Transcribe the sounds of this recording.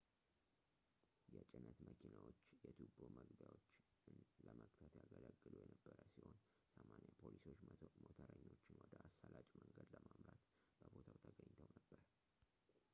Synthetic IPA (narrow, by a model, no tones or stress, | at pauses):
jɛt͡ʃʼɪnət̪məkʰinawot͡ʃːjɛt̪ʰuboməɡbjawot͡ʃː | ɨnləməkʼt̪ʰət̪jaɡələɡːɨlujɛnəbːəɾəsihon | səmanjapʰoliso̞t͡ʃːmot̪ʰəɾəɲːo̞t͡ʃːɪnwɔd̪əʔasːəlat͡ʃʼməŋɡəd̪ləmamɾat̪ | b̥əbo̞t̪ʰawt̪ʰəɡəɲːt̪ʰəwnəbːəɾə